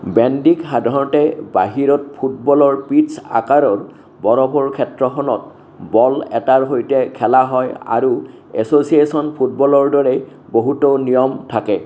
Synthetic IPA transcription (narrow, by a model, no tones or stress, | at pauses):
bɛndikxadʱaɹɔtɛba̰ɦiɹɔt̚pʰutbɔlɔɹpitsa̰kaɹɔɹ | bɔɹɔbɔɹkʰɛtɹɔxɔnɔt | bɔlɛ̰taɹɦojtɛkʰɛlaɦɔja̰ɹu | ɛ̰sosiesɔnpʰut̚bɔlɔɹdɔɹɛ | boɦutonijɔmtʰakɛ